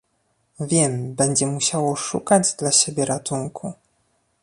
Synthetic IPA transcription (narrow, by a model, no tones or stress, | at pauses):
vʲjɛmbɛɲd͡ʑɛmuɕawɔʂukad͡ʑd̪laɕebʲjɛɾat̪uŋkʰu